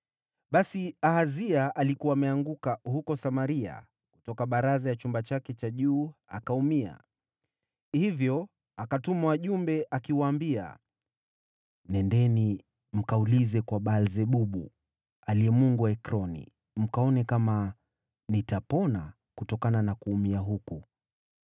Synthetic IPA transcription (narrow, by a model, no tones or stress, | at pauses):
ɓasiahaziaʔalikuwaːmɛaŋɡukahukɔsamaɾia̰ | ku̥tɔkaɓaɾazajat͡ʃumbat͡ʃakɛt͡ʃaʄuːakaumia̰ | hivjɔ | akatumawaʄumbɛʔakiwaːmbia̰ | nɛndɛni | m̩kaulizɛkwaɓalzɛɓuɓṵ | aliɛmuŋɡuɛkɾɔnḭ | m̩kaɔnɛkama | nitapɔna | kutɔkananakuːmiaɦuku